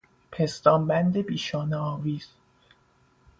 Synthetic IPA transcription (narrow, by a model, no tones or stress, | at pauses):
pʰest̪ɒːmbænd̪e̞biːʃɒːneɒːviːz̥